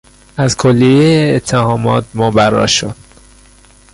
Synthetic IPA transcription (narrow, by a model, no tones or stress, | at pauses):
æzkʰolːijeeːt̪ʰːehɒːmɒ̰ːt̪̚mobæɾːɒ̰ʃo̰d̪̥